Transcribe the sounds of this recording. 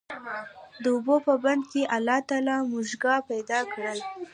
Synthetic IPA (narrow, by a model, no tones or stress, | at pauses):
d̪əʊbopəband̪keʔalːɑt̪alɑmuʒɡɑpajd̪ɑkɽəl